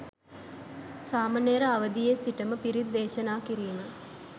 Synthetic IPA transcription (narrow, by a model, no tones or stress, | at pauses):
saːmanejɾəaʋəd̪ijesiʈəməpiɾid̪d̪eːʃɐnaːkiɾiːmə